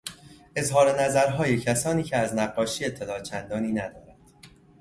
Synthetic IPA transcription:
ʔe̞zɦɒːɾenæzæɾɦɒːje̞cʰæsɒːniːcʰeæznæɢːɒːʃiːe̞t̪ʰːe̞lɒːt͡ʃʰænd̪ɒːniːnæd̪ɒːɾænd̪̥

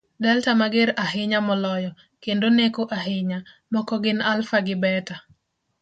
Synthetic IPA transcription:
dɛltamaɡɪɾaɦɪɲamɔlɔjɔ | kendonekoʔaɦɪɲa | mɔkɔɡɪnalfaɡɪbɛta

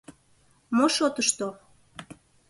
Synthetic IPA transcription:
moʃot̪əʃt̪o

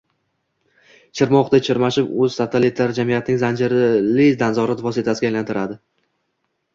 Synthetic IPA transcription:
t͡ʃʰɪɾmɒqd̪at͡ʃʰɪɾmaʃɪpɵz̥sat̪ʰalit̪ʰlaɾd͡ʒamijat̪ʰɪnɪŋzand͡ʒɪɾɪlɪd̪anzɒɾat̪vɒsɪt̪ʰasɪɡʲajlant̪ʰɪɾad̪ɪ

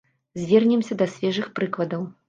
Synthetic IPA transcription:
zʲvʲɛrnʲɛmsʲɐd̪ɐsʲvʲɛʐɨxpɾɨklˠɐd̪ɐw

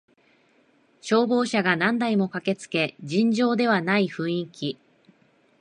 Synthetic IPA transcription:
ɕo̞ːbo̞ːɕaɡanãnd̪aimo̞kake̞t͡sɨ̥ke̞d͡ʑĩɲd͡ʑo̞ːd̪e̞β̞anaiɸɯ̟̃ɰ̃ĩŋkʲi

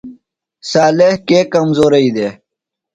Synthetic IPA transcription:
saːlehkeːkɐmzoːɾɐid̪eː

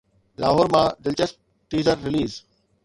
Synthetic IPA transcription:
la̰ːɦoːɾmãːd̪ɪlt͡ɕəsp̚ | ʈ̪iːzəɾːɪliːz

